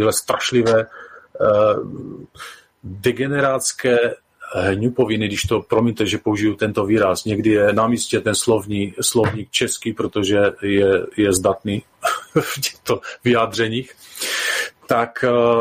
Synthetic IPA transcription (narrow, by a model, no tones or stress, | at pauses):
iɦlɛst̪ɾaʃlɪvɛː | dɛɡɛnɛɾat͡skɛː | ɦɲupovɪnɪɡdɪʃt̪opɾomiɲt̪ɛʒɛpouʒijut̪ɛnt̪oviːɾasɲɛɡdɪjɛnamiːscɛt̪ɛnslovɲislovɲiːk̚t͡ʃɛskipɾot̪oʒɛjɛjɛzdat̪niː | fcɛ̥xt̪ovɪjaːd̪r̝ɛɲiːx | t̪ak